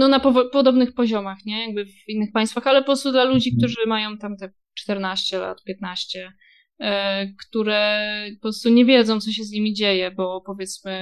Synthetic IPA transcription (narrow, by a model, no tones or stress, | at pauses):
nɔnapɔvpɔd̪ɔbnɘxpɔʑɔmaxɲɛjaɡ̚bɘvinːɘxpaj̃st̪faxalɛpɔpɾɔst̪ud̪lalud͡ʑik̚t̪uʐɘmajɔ̃w̃t̪amt̪ɛ | t͡ʂt̪ɛɾnaɕt͡ɕɛla̰t̪pʲjɛt̪naɕt͡ɕɛ | kt̪uɾɛɔpɾɔst̪uɲɛvʲjɛd̪zɔ̃w̃t̪sɔɕ̬ɛzɲimʲid͡ʑejɛbɔpɔvʲjɛt̪smɘ